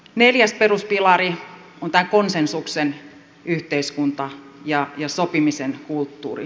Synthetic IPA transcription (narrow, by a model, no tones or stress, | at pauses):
neljæsperuspilɑri | ont̪æːkonsensuksen | yht̪eiskunt̪ɑjɑjɑsopimisenkult̪ːṵːrḭ